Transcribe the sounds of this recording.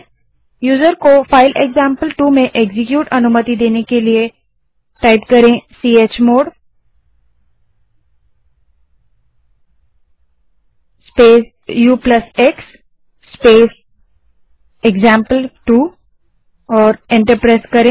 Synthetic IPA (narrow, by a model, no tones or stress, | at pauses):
juːzəɾkofaːɪlʔeɡzãːmpəlʈuːmẽʔeːɡzɪkjuːʈɐnʊmət̪id̪eːnekelie | ʈaːɪpkɐɾẽsiːeːt͡ʃmoːɖ | speːs | juːplɐseksː | peːs | eɡzãːmpəlʈuː | ɔːɾɪ̃ɳʈəɾpɾeːskɐɾẽ